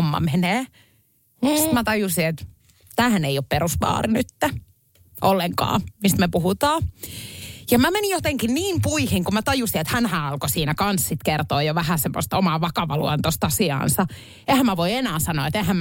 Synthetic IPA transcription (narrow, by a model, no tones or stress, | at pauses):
omːɑ̰meneː | st̪mæt̪ɑjusiet̪ | t̪æːhæneiopperusʋɑ̰ːrinyt̪ːæ | ʔolːeŋkɑ̰ːmist̪mepuhut̪ɑː | jɑmæmenijot̪eŋkinniːmpuihiŋkumæt̪ɑjusiet̪hænhæɑlkosiːnækɑnssit̪kert̪oːjoʋæhæsemːo̰st̪omɑʋɑkɑʋɑlṵɑnt̪ost̪ɑsiɑ̰ːnsɑ | ehæmmæʋoienæːsɑno̰ːˑet̪ehæm